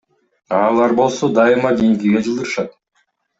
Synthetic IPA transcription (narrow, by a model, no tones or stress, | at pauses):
ɑlˠɑɾbo̞lˠsod̪ɑjɯmɑd̪iŋkiɡe̞d͡ʒɨɯlˠd̪ɯɾɯʃɑt̪̚